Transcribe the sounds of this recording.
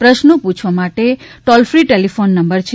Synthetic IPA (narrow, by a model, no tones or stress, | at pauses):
pɾəʃnopũt͡ʃʰʋamaʈeʈɔlfɾiʈelifonːəmbəɾt͡ʃʰe